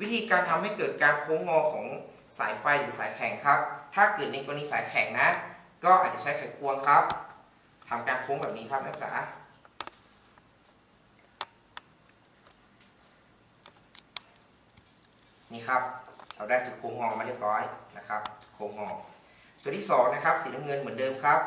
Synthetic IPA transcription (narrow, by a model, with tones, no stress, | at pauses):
wi˦˥t̪ʰiː˧kaː˧nt̪ʰa˧mha˥˩jkɤː˨˩t̪̚kaː˧nkʰoː˧˥ŋhɔː˧kʰɔː˩˦ŋ | sa̰ː˩˦jfa˧jɾɯː˩˦saː˩˦jkʰɛ˨˩˦ŋkʰa˦˥p̚t̪ʰaː˥˩kɤː˨˩t̪̚ne˧ko˧niː˧˥saː˨˦jkʰɛː˨˩˦ŋna˦˥ | kɔː˥˩ʔa˨˧˩t͡ɕa˨˧˩t͡ɕʰa˥jfa˨˩jkʰu˧əŋkʰa˦˥p̚ | t̪ʰa˧mkaː˧nkʰoː˧˥ŋbɛː˨˩p̚niː˦˥kʰa˦˥p̚mɛ˥˩˧sa̰ː˩˦ | niː˧˩kʰa˦˥p̚ɾa˧˩wdaː˧˩jt͡ɕu˨˩u˧ŋɦɔː˧˩˨maː˧ləp̚lɔː˧˥˩jna˦˧˥kʰa˦˥p̚kʰoː˧ŋhɔː˧˩ | d̪u˨˧˦nt̪ʰi˥˩sɔː˩˦ŋna˦˥kʰa˦˥p̚siː˨˦na˧mŋɤ˧˨nmɯ˩˦ə˦ndɤː˧mkʰa˦˥p̚